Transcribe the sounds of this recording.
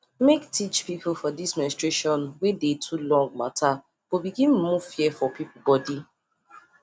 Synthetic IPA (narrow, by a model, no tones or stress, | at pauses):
mektʰit͡ʃpipʰufɔdismɛnstɹeʃɔ̃nwedetʰulɔ̃ŋɡ̚matʰa | b̥obiɡĩn̩muv̥fjɛfɔpipubɔdi